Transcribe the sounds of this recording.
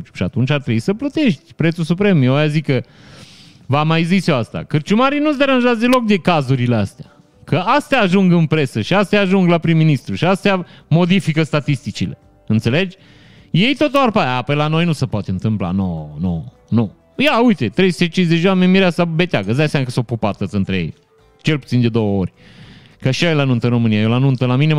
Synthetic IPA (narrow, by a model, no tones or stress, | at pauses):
t͡ʃʃiat̪unt͡ʃʲart̪ɾebuisəplət̪e̞ʃt̪ʲpɾe̞t̪susupɾe̞mjeajazikə | vamajziseast̪a̰kɨrt͡ʃumaɾijnusd̪eɾanʒat̪zd̪elo̞k̚d̪e̞kazuɾileast̪ea | kʰəast̪eaːʒuŋɡɨnpɾe̞səʃiast̪eaːʒuŋɡlapɾimːinist̪ɾuʃiast̪eamo̞d̪ifikəst̪at̪ist̪it͡ʃile̞ | ɨnt̪se̞le̞d͡ʒʲ | je̞jt̪o̞t̪uarpaapejlano̞jnusepoat̪eɨnt̪ɨmpla̰nono | nu | jaujt̪e̞t̪ɾejsut̪et͡ʃinzet͡ʃʲewamenmiɾeasabe̞t̪eaɡəzd̪ajseamakəsopupat̪ət̪sɨnt̪ɾejḛj | t͡ʃe̞lpu̥t̪sind̪e̞d̪o̞wəorʲ | kəʃiajelanunt̪əɨnro̞mɨnijajolanunt̪əlamine